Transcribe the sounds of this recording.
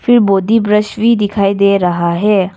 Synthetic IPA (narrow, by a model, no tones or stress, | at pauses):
fɪɾboːd̪ibɾəʃʋid̪ɪkʰaːid̪eːɾɐɦaɦɛː